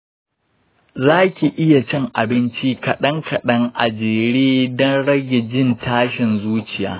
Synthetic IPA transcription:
zaː˦kʲi˨ʔɪ˦ja˨t͡ʃɛ˦ŋʔa˨bɪ˦nt͡ʃi˦kɐ˨ɗɐ˦ŋkʰɐ˨ɗɐ˦ŋʔa˨d͡ʒeː˨ɽeː˦dɔ˦nɽɐ˦ɡʲe˨d͡ʒɪ˦ntaː˦ʃɪ˨nzuː˦t͡ʃɪ˨ja̰ː˦

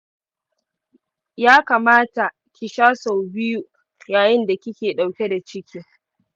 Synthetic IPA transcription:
jaː˦kaː˨maː˦ta˨ | kʲɪ˨ʃaː˦sa˨wbɪ˦ju˨ | jaː˨jɪ˦nda˨kʲɪ˦kʲeː˨ɗa˨wkʲe˦da˨t͡ʃɪ˦kʲiː˦

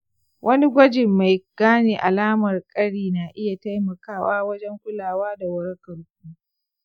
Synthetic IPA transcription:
wʔɐ˦ni˦ɡʷɐ˦d͡ʒɪ˨mːa˨jɡ̥aː˦neː˨ʔa˨laː˦mɐ˨rkʼɐ˦ɽiː˨na˨ʔɪ˦ja˨ta˦jmɐ˨kaː˦˨waː˦wɐ˦d͡ʒɛ˦ŋkʷʊ˦laː˨waː˦da˨wɐ˦ɽkɐ˨lkʷuː˦

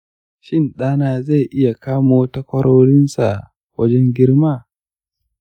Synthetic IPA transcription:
ʃɪ˦nɗaː˦naː˦za˦˨ʔɪ˦ja˨kaː˦moː˦tɐ˦kʷɐ˦ɽɔː˦ɾɪ˦nsa˨ | wɐ˦d͡ʒɛ˦ŋɡʲɪ˦ɾma˦˨

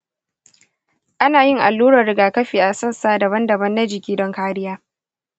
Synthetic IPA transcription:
ʔa˦naː˨jɪ˦ŋʔa˨lːuː˦ɾɐ˨rɽɪ˨ɡaː˨kɐ˦ɸiː˨ʔa˨sɐ˦nsaː˦dɐ˨bɐ˦ndɐ˨bɐ˦nːa˦d͡ʒɪ˨kʲiː˦dɔ˦ŋkaː˦ɾɪ˦jaː˦

